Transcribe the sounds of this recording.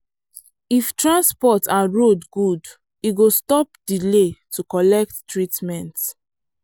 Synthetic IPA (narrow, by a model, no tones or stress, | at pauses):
iftɹãnspɔtaɹodɡud | iɡostɔp̚diletʰukɔlɛk̚tːɹitmɛ̃nt